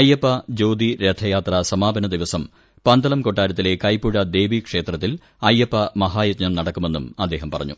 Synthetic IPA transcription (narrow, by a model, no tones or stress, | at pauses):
ɐjːɐpːɐd͡ʑo̞ːd̪iɾet̪ʰːɐjaːt̪rɐsɐmaːbɐnɐd̪iʋɐsɐm | pɐnd̪ɐlɐmkoʈːaːɾɐt̪ːile̞kɐjpːuɻɐd̪e̞ːʋikʂe̞ːt̪rɐt̪ːil | ɐjɐpːɐmɐɦaːjɐtɲɐmnɐɽɐkːume̞nːumɐd̪ːe̞ːɦɐmpɐrɐ̰ɲːṵ